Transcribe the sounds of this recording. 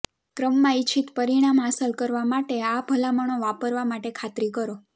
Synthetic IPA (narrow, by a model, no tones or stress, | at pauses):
kɾəmːãit͡ʃʰit̪pəɾiɽ̃amɦasəlkəɾʋamaʈeabʱəlaməɳ̃oʋapəɾʋamaʈekʰat̪ɾikəɾo